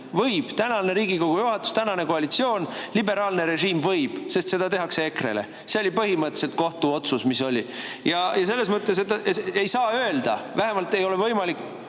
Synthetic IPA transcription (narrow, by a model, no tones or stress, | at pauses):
vɤjb̥t̪ænɑlne̞ɾiːɡiko̞ɡ̥ujuɦɑt̪ːˑu̥st̪ænɑne̞ko̞ɑlit̪sio̞ːnlibe̞ɾɑːlne̞ɾe̞ʒiːmvɤjb̥se̞st̪se̞d̪̥ɑt̪e̞ɦɑkseekɾe̞̰lḛ | seo̞lʲipɤɦimɤt̪ːse̞lt̪̚ko̞ht̪uo̞t̪susmiso̞lʲijɑjɑs̬e̞lːesmɤt̪ːˑesed̪ɑeejsɑːø̞eld̪ɑvæɦe̞mɑlt̪e̞jo̞levɤjmɑlikː